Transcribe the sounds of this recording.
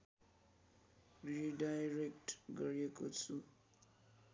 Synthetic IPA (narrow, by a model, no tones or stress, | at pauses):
riɖajɾek̚ʈɡʌɾijekot͡sʰu